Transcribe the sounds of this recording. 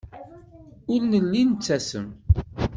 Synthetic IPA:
ʊlnəlːint͡sːæsə̰m

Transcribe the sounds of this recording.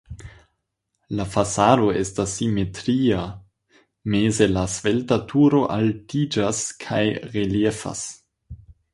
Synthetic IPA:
lafasaːdo̞estasːimetɾia | meːzelasveltatʰuɾo̞ʔaltid͡ʒaskʰajʁeljefa̰s

